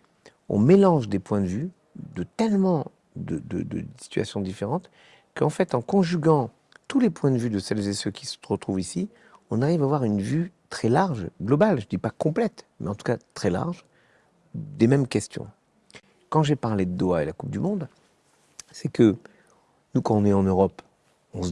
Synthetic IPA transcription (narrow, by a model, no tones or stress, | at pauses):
ɔ̰̃melɑ̃ʒd̪epwɛ̃d̪əvy | d̪ət̪ɛlmɑ̃ | d̪əd̪əd̪ə̰si̥t̪ɥa̰sjɔ̃d̪ifeʁɑ̃t̪ | kɑ̰̃fɛt̪ɑ̃kɔ̃ʒyɡɑ̃ | t̪ulepwɛ̃d̪əvyd̪əsɛlzesøkʲi̥sə̥t̪ʁət̪χuvisi | ɔ̃naʁivavwaʁynvyt̪χɛlaʁʒɡlɔbalʒəd̪ipakɔ̃plɛt̪mɛɑ̃t̪u̥kat̪χɛla̰ʁʒ | d̪emɛmkʲɛst̪jɔ̰̃ | kɑ̃ʒepaʁled̪əd̪waḛlakup̚d̪ymɔ̃d̪ | sɛkə | nukɑ̃ɔ̃nɛɑ̃nøʁɔp | ɔ̃s